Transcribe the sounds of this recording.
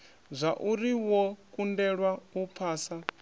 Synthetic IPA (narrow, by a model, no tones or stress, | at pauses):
zʷaʔuɾiwɔkʼundɛɺwaupʰaːsa